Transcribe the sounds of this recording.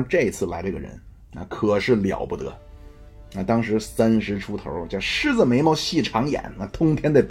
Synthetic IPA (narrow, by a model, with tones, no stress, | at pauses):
ʈ͡ʂɤ˥˩i˧˩t͡sʰɹ̩˥˩la˧˥ɪʈ͡ʂɤ˥˩ɡə̰˩ɻə̰˧˥n | a̰˧kʰɤ˨˩ʂɻ̩˥˩ljɑ̰˨˩ʊpu˥˩t̪ɤ̰˧˥ | na˧˩t̪ɑ˥ŋʂɻ̩˧˥sa˥nʂɻ̩˧˥ʈ͡ʂʰu˥t̪ʰo̰˧˥ʊ˥˩ʂɻ̩˥d͡z̩˨˩me˧˥ɪmɑ˧˥ʊɕi˥˩ʈ͡ʂʰɑ˧˥ŋjɛ̰˨˩˦nna˥˧t̪ʰʊ˥ŋt̪ʰjɛ˥nd̪ə˧˩p